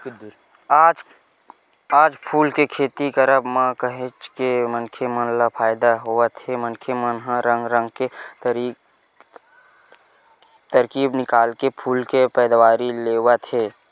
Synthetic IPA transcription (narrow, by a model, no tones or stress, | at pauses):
aːd͡ʒ | aːd͡ʒpʰuːlkekʰeːt̪ikəɾəbmãkəɦẽt͡ʃkemənkʰemənlapʰaːjɪd̪aɦoat̪ʰemənkʰemənɦãɾə̃ŋɡɾə̃ŋɡket̪ɾi | t̪əɾkiːbnɪkaːlkepʰuːlkepɛːd̪waːɾileːwat̪ʰeː